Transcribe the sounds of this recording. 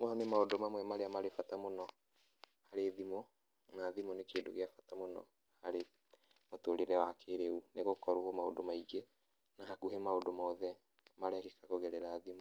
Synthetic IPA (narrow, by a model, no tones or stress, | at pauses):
mɔɔnemaodomamwɛmaɾeamaɾefatamonɔ | haɾeðimo | naðimonekeːndo̰ɣeafatamonɔ̰ | haɾe | motoɾeɾɛwakeɾeuneɣokɔɾuhomao̰domaiɡe | nahakuɦemaodomaɔðɛ | maɾɛkikakoɣɛɾɛɾaːðimo